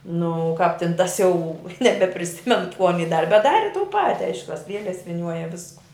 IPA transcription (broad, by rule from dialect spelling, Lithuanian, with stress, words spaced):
ˈnʊ ˈkɑːp tʲɪn ˈtɐs ˈjɛʊ nʲɛbʲɛpʲrʲɪˈsʲɪmʲɛnʊ kuː ɐˈnʲiː ˈdɑːrʲɪ bʲɛt ˈdɑːrʲɪ tuː ˈpɑːtʲɪ ˈɐɪʃkʊ tɐs ˈlʲiɛlʲɛs ʋʲɪˈnʲuɔjɛ ˈʋʲɪskʊ